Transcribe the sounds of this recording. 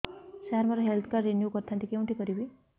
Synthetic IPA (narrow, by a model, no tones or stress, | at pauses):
saɾməɾaɦelt̪ʰkeɾːenjukəɾt̪ʰãnt̪ikeũɳʈʰikəɾibi